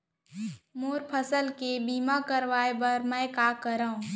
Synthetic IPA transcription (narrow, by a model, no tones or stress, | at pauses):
moːɾpʰəsəlkebiːmakəɾʋaːebəɾmɛ̃kaːkəɾaːũ